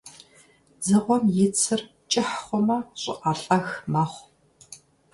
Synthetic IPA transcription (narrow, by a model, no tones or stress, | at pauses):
d͡zɨʁʷɔmjɪt͡sʰɨr | t͡ʃʼɪħχʷɔmɐɕʼɪ̰ʔaɬʼɐxmɐχʷ